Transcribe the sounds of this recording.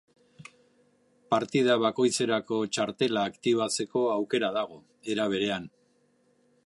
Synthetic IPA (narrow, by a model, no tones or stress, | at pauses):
paɾt̪iðaβako̞jt͡se̞ɾako̞t͡ʃaɾt̪e̞laːkt̪iβ̞at͡se̞ko̞awke̞ɾað̞aɣ̞o̞ | e̞ɾaβ̞e̞ɾe̞an